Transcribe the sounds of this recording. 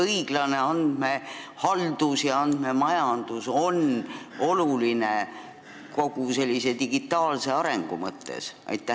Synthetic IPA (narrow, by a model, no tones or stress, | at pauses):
ɤjɡ̥lɑne̞ɑnd̪̥me̞hɑld̪̥usjɑɑnd̪me̞mɑjɑnd̪̥uso̞n | o̞luline | ko̞ɡ̥use̞lʲːise̞d̪iɡ̥it̪ːˑɑːlse̞ɑɾe̞ŋɡ̥umɤt̪ːe̞̰sʔɑ̰jt̪ːˑæ